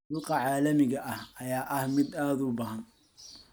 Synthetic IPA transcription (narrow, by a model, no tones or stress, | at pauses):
ʊlqɑʕɑːlɐmɪɣɐʔɐhɐjaːʔɐhmɪd̪aːd̪ʊbɐːɦɐn